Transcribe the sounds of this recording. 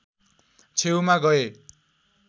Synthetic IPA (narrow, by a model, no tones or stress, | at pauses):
t͡sʰewmaɡʌe